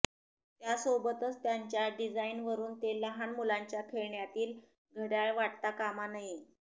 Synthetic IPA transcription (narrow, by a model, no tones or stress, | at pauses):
t̪jasobət̪ət͡st̪jaɲt͡ɕjaɖid͡zainʋəɾuːnt̪eləɦanmulaɲt͡ɕjakʰeɭɳjat̪iːl | ɡʱəɽjaɭʋaʈt̪akamanaɦi